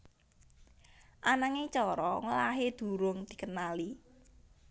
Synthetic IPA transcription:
ʔanaŋet͡ʃɔɾɔŋəlaɦed̪̥ṳɾʊŋd̪̥i̤kənali

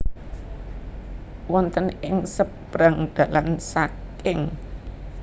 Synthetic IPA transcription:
wɔnt̪ənɪŋsəbɾaŋɖ̥a̤lansakɪŋ

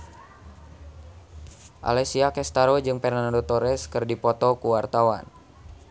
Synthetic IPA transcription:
ʔa̰lɛsiakɛst̪aɾod͡ʒɨŋpɛrnandot̪oɾɛskɨrdipɔt̪ɔkuwart̪awa̰n

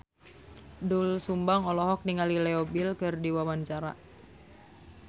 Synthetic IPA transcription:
dulsumbaŋɔlɔɦɔk̚niŋalilɛɔbilkɨrdiwawaɲt͡ʃaɾa̰

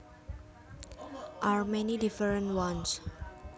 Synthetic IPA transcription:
ʔaɹmɛnidifəɹə̃ntwãns

